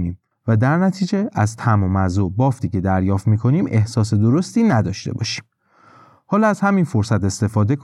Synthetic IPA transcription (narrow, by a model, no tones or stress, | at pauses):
niːm | væd̪æɾnæt̪ʰiːd͡ʒe̞æzt̪ʰæmomæzobɒːft̪ʰiːce̞d̪æɾjɒːft̪miːkʰo̞niːme̞hsɒːs̬e̞d̪oɾo̞st̪iːnæd̪ɒːʃt̪e̞̰bɒ̰ːʃi̥ːm | hɒːlɒæz̥hæminfo̞ɾsæt̪e̞st̪e̞fɒːd̪e̞k